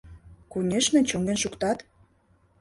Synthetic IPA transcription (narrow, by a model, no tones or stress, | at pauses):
kunʲeʃmĕt͡ɕoŋɡenʃukt̪ɑt̪